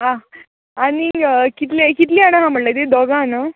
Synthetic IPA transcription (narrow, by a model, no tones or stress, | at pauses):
ɦã | aɽ̃ikit̪lekit̪liaɽ̃ãɦãm̤əɽlajt̪ed̪ɔɡana